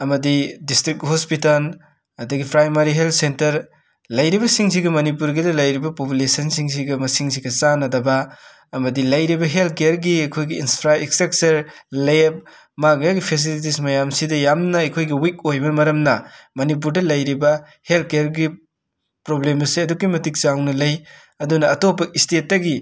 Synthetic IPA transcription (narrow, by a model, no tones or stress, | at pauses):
ɐmɐdidistɾik̚hospitɐl | ɐdɐɡipʰɾajmɐɾiɦelt̚sentɐɾ | lɐjɾibɐsiŋs̬iɡɐmɐnipuɾɡidɐlɐjɾibɐpopulesɐnsiŋs̬iɡɐmɐsiŋs̬iɡɐsanɐdɐbɐ | ɐmɐdilɐjɾibɐɦelt̚kejɐɾɡiɐjkʰojɡiːnspʰɾaekstek̚sɐɾleb̚ | maɡɐjaɡipʰes̬ilit̬ismɐjamsidɐjamnɐɐjkʰojɡiwikojbɐmɐɾɐmnɐmɐnip̬uɾdɐlɐjɾibɐ | helt̚kejɐɾɡi | pɾoblemɐsiɐdukːimɐtik̚zawnɐlɐj | ɐdunɐːtopːɐistet̚ːɐɡi